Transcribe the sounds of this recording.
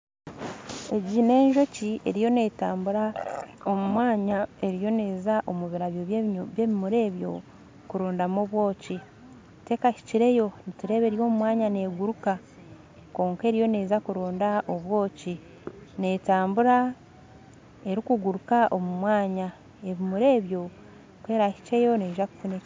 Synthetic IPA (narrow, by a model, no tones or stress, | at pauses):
e̞ɟine̞ːɲʒo̞cie̞̰ɾijo̞ne̞taːmbuɾao̞mumwaːɲae̞ɾijo̞neːzaʔomuβiɾaβjo̞ββjeːβimuɾe̞ːβjo̞̰ | kuɾoːndamoβwo̞ːci | te̞kaci̥ciɾe̞jo̞nituɾe̞ːβeɾijo̞ːmumwaːɲane̞ːɡuɾuka | ko̞ːŋkeːɾijo̞ne̞ːzakuɾoːndaʔo̞βwo̞ːci | ne̞taːmbuɾa | e̞ɾikuɡuɾukaʔo̞mumwaːɲa | e̞βimuɾe̞ːβjo̞ | kwe̞ːɾaçi̥ce̞jo̞ne̞ːʒaku̥fune